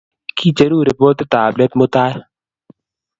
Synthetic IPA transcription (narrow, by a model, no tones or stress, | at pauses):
kiːt͡ʃəɾuːɾepoːt̪et̪aːblət̪mʊt̪aːe